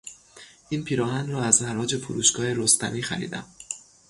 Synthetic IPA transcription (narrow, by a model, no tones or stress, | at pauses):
ʔiːnpʰiːɾɒːhænɾɒːæznæɾɒːd͡ʒe̞fuɾṵːʃɡɒːhe̞ɾost̪æ̰niːxæ̰ɾḭːd̪æ̰m